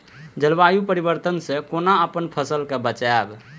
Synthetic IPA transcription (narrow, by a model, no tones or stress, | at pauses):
d͡ʒəlbajupəɾibəɾt̪ənsẽkonaəpənpʰəsəlkebət͡ʃaɛb